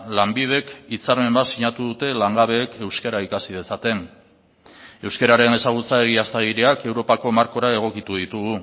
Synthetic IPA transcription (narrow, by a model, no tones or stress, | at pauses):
lambið̞e̞kit͡saɾme̞mbasiɲat̪uðut̪e̞laŋɡaβ̞e̞ːke̞wske̞ɾaikasið̞e̞sat̪e̞n | e̞wske̞ɾaɾe̞ne̞saɣ̞ut͡saeɣiast̪aɣiɾeake̞wɾo̞pako̞maɾko̞ɾae̞ɣ̞o̞kit̪uð̞it̪uɣu